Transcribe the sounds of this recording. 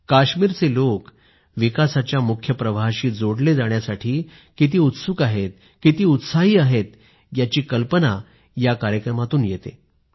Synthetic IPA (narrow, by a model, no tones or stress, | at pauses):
kaɕmiːɾt͡selok | ʋikasat͡ɕjamukʰjəpɾəʋaɕiːd͡zoɽled͡zaɽ̃jasaʈʰiː | kit̪̬iːut̪sukaɦet̪̚ | kit̪iːut̪saɦiːaɦet̪̚ | jat͡ɕiːkəlpəna | jakaɾjəkɾəmat̪uːnjet̪ḛ